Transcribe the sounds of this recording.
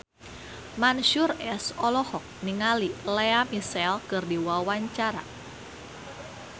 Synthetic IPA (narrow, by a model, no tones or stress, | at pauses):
manʃʊrɛsɔlɔhɔk̚niŋalileamisɛlkɨrdiwawaɲt͡ʃaɾa̰